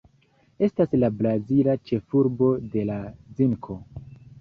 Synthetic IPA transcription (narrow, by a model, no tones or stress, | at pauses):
e̞staslabɾazilat͡ʃe̞fuɾbo̞de̞laziŋkʰo̞